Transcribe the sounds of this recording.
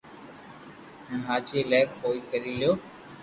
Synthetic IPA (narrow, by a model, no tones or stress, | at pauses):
ʊnɦaːt͡ʃeːlaːkpoːiːkəɾiːlɪjoː